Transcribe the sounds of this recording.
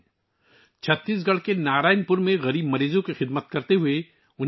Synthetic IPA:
t͡ʃʰɐt̪ːiːs̬ɡɐɽ̤kenaːɾaːɪnpʊɾmẽɣɐɾiːbmɐɾiːzõkixɪd̪mət̪kɐɾt̪eɦʊe | ʊn

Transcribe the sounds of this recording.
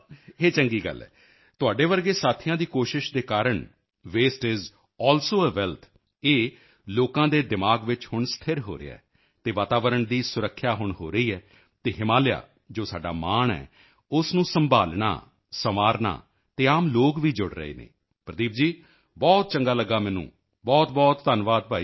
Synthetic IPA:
eːt͡ʃəŋɡiːɡə̰lːɛ̰ː | t̪ʊaːɖeːʋəɾɡeːsaːt̪ʰijãːd̪iːkoːʃɪʃd̪eːkaːɾəɳ | ʋeːsʈɪz | ɔːlsoːəːʋɛːlt̪ʰ | eː | loːkãːd̪eːd̪ɪmaːɡʋɪt͡ʃhʊɳst̪ʰɪɾɦo̰ːɾḛa̰ː | t̪eːʋaːt̪aːʋəɾəɳd̪iːsʊɾəkʰːjaːɦʊɳɦoːɾəiːɛː | t̪eːɦɪmaːlɪja̰ː | d͡ʒoːsaːɖa̰ːmaːɳɛ̰ː | ʊsnũːsəmbʱaːlɳa̰ː | səmaːɾna̰ː | t̪eːaːmloːɡʋiːd͡ʒʊɽɾə̰ḛːnḛ̃ː | pɾəd̪iːp̚d͡ʒiː | bɔːt̪̚t͡ʃəŋɡaːləɡːaːmɛ̃ːnṵ̃ː | bɔːt̪bɔːt̪ːənʋaːd̪̚paːiː

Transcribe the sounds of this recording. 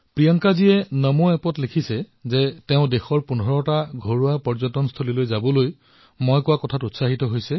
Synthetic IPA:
pɹijaŋkazijɛnəmoɛpɔtlikʰisɛ | zɛtɛʊ̃dexɔɹpunɔɹɔtaɡʱoɹuapɔɹzɔtɔnstʰolilojzabɔloj | mɔjkʊwakɔtʰatutsaɦitɔɦojsɛ

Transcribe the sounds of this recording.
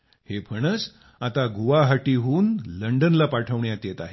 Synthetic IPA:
hepʰəɽ̃ət͡s | at̪aɡuʋaɦaʈiɦuːnləɳɖənlapaʈʰəʋɳjat̪jet̪aɦe

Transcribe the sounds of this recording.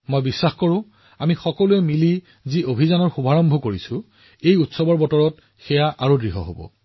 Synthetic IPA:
mojbisːaxkoɹʊ̃ | amixɔkɔluɛmili | ziʔobʱizanɔɹxubʱaɹɔmbʱɔkoɹisʊ̃ | ejutsɔbɔɹbɔtɔɹɔt̚ | xɛjaʔaɹudɹiɦɔ̰ɦo̰bɔ̰

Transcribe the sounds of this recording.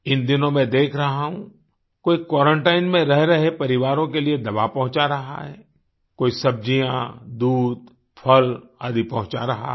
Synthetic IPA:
ɪnd̪ɪnõmẽd̪eːkʰɾɐɦaɦũ | koːikwɔːɾə̃ɳʈaːɪnmẽɾɛɦɾɐɦepɐɾɪʋaːɾõkelied̪ɐbapɐɦʊ̃t͡ʃaɾɐɦa̰ɦɛ̰ː | koːisɐb̚d͡ʒijãd̪uːd̪̚ | pʰəla̰ːd̪ipɐɦʊ̃t͡ʃaɾɐɦa̰

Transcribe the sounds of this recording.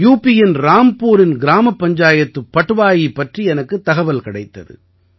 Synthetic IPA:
juːpːɪjɪnɾaːmpuːɾɪnɡɪɾaːmɐpːɐɲd͡ʒaːjɐt̪ːɯpːɐʈːɯʋaːjipːɐʈriɛnɐkːɯt̪ːɐɣɐʋɐlkɪɽɐɪt̪ːɐðɯ̰

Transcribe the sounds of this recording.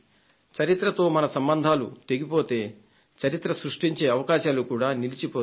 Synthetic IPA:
t͡ʃɐɾit̪ɾɐt̪o̞ːmɐnɐsɐmbɐnd̪ʱaːlut̪e̞ɡipo̞ːt̪e̞ː | t͡ʃɐɾit̪ɾɐsɾuʂʈiɲt͡ʃe̞ːɐʋɐkaːʃaːlukuːɽaːnilit͡ʃipoː

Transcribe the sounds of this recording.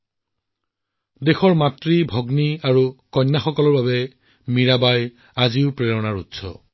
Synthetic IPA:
dexɔɹmatɹibʱɔɡniaɹukɔjnːaxɔkɔlɔɹbabɛ | miɹabaj | aziʊpɹeɹɔnaɹutsɔ̰

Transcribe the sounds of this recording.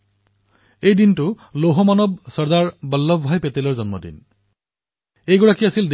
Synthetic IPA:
ejdintu | loɦɔmanɔbsɔɹdaɹbɔlːɔbbʱajpet̪elɔɹzɔnmɔ̰dḭn | ejɡɔɹakiasild

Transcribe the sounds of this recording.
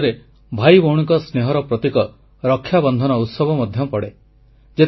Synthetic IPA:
ɾe | bʱajbowɽ̃iŋkɔsneɦɔɾɔpɾɔt̪ikɔ | ɾɔkʰːjabɔnd̪ʱɔnɔut̪sɔbɔmɔd̪ʱjɔpɔɽe | d͡ʒe

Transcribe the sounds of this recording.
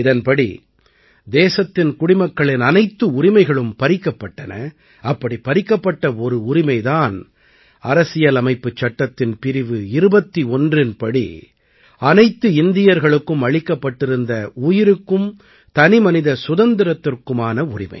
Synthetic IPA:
ɪðɐnpɐɽḭ | d̪eːsɐt̪ːɪnkʊɽɪmɐkːɐɭɪnɐnɐɪt̪ːɯʊɾɪmɐɪɣɐɭɯmpɐɾɪkːɐpːɐʈːɐnɐ | ɐpːɐɽipɐɾɪkːɐpːɐʈːɐɔɾɯʊɾɪmɐɪðaːn | ɐɾɐsɪjɐlɐmɐɪpːɯt͡ʃːɐʈːɐt̪ːɪnpɪɾɪʋɯɪɾɯbɐt̪ːiɔndrɪnpɐɽḭ | ɐnɐɪt̪ːɯɪnd̪ɪjɐɾɣɐɭɯkːɯmɐɻɪkːɐpːɐʈːɪɾɯnd̪ɐuːjɪɾɯkːɯm | t̪ɐnɪmɐnɪðɐsʊðɐnd̪ɪɾɐt̪ːɪrkɯmaːnɐʊrɪmɐ̰ɪ

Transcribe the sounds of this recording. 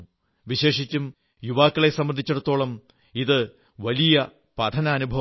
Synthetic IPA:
ʋiɕe̞ːʂit͡ɕːum | juʋaːkːɐɭesɐmbɐnd̪ʱit͡ɕːɐɽut̪ːo̞ːɭɐm | iðɨ | ʋɐlijɐ | pɐd̪ʰʱɐnɐːnubʱɐ

